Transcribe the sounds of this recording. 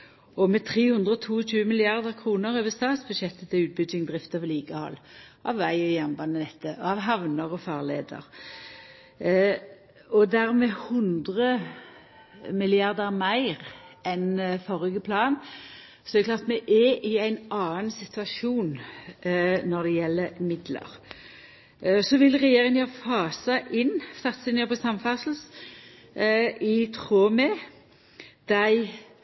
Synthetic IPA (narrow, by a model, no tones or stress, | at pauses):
ɔmɛt̪ʰʁeːhʉnd̪ʁəɔt̪ʰuːɔc͡çʉːəmɪlɪɑʁd̪əʁkʰʁuːnəɾøːʋəst̪ɑːt̪sbʉd̪ʃɛt̪ːət̪ʰɪlʉːt̪̚bʏɡɪŋd̪ʁɪft̪əʋliːɡəhɔ̰lːʔɑ̰ʋːæɪɔjɛmbɑnənɛt̪ːəʔɔɑʋɦɑʋnəʁɔfɑːʁlḛːd̪ə̰ʁ | ɔd̪æʁmɛhʉnd̪ʁə | mɪlɪɑʁd̪əʁmæɪʁɛnfɔʁɪɡəpʰlɑːn | sɔdɛd̪ɛklɑːʁt̪mɛʔɛʔɪæɪnɑːənsɪt̪ʰʉɑʃuːn | nɔɾd̪ɛjɛlːəmɪd̪lə̰ɾ | sɔʋɪlʁɛjeːʁɪŋənɑfɑːsɑʔɪnst̪ɑt̪sɪnəpʰɔsɑmfɑsl̩s | ɪt̪ʰʁoːmɛ | d̪̥æɪ